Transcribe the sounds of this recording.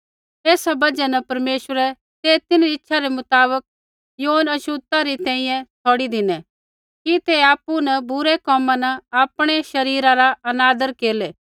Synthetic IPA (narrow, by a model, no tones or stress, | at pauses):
eːsabɐd͡ʒɛnɛpɐɾmeːʃwəɾɛ | t̪eːt̪ɪnɾiɪtːʃʰaɾemʊt̪aːβək̚ | joːnɐʃut̪aɾit̪ɛ̃ːĩjɛ̃t͡sʰɔːɽid̪ɪnɛ | kit̪eaːpːunəbʊɾɛkɔːmãnəaːpɽ̃eʃɐɾiːɾãɾaɐnaːd̪əɾkeːleː